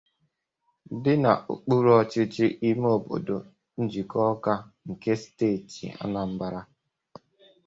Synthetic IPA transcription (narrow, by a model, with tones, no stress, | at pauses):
dɪ˦na˨ʔṵ˨k͡pu˦ɾɔ˨t͡ʃɪ˦t͡ʃɪ˦ʔi˦m˦o˨bo̰˨do˨ | n̩˦d͡ʒi˨kʰɔ˦ka˦ŋ̩˨ke˦steː˦˨tḭ˨a̰˦na˨m̩˦ba˦ɾa˦